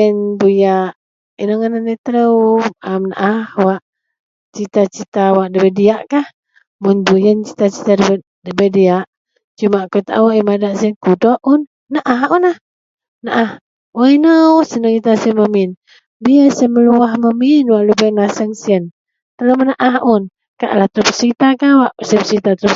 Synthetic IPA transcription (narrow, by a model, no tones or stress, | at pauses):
ənbujaʔ | inəŋənaniʔt̪əɾəwamna̰ʔahwaʔ | t͡ʃit̪at͡ʃit̪awaʔdəbədiaʔkah | munbujənt͡ʃi̥t̪at͡ʃi̥t̪adə | dəbədiaʔ | t͡ʃumaʔkut̪a̰uʔimadaʔsiənkudɔʔunː | aʔahunah | naʔah | wəinəwsənəkit̪asəməmin | biəsəməluahməminwaʔlubəŋlasəŋsiən | t̪ələmənaʔaɦun | ka̰ʔlaht̪ɾupəsəɾit̪akawaʔsəpəsəɾit̪at̪ɾup